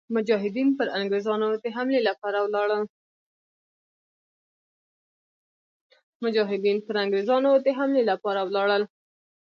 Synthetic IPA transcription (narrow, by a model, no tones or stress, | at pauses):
mʊd͡ʒɑɦɪd̪inpəɾaŋɡɾezɑnod̪əɦamlelapɑɾawlɑɽəl | mʊd͡ʒɑɦɪd̪inpəɾaŋɡɾezɑnod̪əɦamlelapɑɾawlɑɽəl